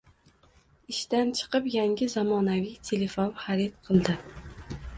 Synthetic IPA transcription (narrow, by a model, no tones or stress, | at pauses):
iʃt̪ænt͡ʃʰɨ̥qɨpjæŋɡʲɪzɑmɒːnævijt̪ʰelefonχaɾit̪̚qʰəlˠd̪ɪ